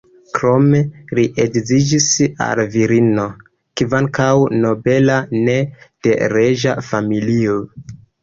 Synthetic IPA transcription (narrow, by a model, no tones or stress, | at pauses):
kɾo̞me̞liʔeɡzid͡ʒisa̰lviɾino̞ | kivaŋkawno̞be̞lane̞d̥e̞ɾeʒa̰familio